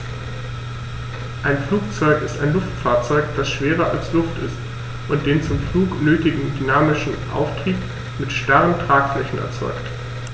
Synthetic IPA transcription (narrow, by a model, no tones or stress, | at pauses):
ʔaɪnfluːk̚t͡sɔʏkɪstaɪnlʊftfaːɐt͡sɔʏkd̥asʃv̥eːʁɐʔa̰lslʊftɪ̰st | ʔʊnt̚d̥eːnt͡sʊmfluːknøːtɪɡŋ̩dynaːmɪʃn̩ʔa̰ʊftʁ̥iːp̚ | mɪtʃtaʁəntʁ̥aːkflɛçn̩ɛ̰ɐt͡sɔ̰ʏkt